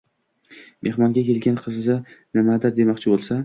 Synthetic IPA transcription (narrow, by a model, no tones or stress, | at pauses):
mʔe̞hmɒŋɡʲakʲʰe̞lɡʲanqʰɨzːɪnɪmad̪ɪɾd̪e̞mɒqt͡ʃʰɪbolˠsa